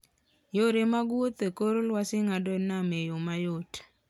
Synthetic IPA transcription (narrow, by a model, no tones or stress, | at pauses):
joɾemaɡwot̪ekoɾolwasɪŋadɔnamejomajot